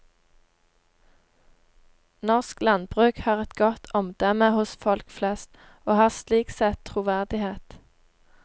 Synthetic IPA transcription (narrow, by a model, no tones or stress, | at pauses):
nɔʁsklɑnbʁʉːkhɑːʁɛt̪ɡɔt̪ʰɔmd̪̥ɛməhʊsfɔlkflɛst̪ | oːhɑːʁsliːksɛt̪ʰʁʊːʋæʁd̪ɪheːt̪